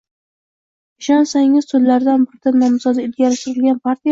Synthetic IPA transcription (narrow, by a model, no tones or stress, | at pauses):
ɪʃɒnsaŋɪz̥sɵzlaɾd̪anbʊɾɪd̪anːɒmzɒd̪aɪlɡʲaɾɪʃt̪ɪɾɪlɡʲanpʰaɾt̪ʰij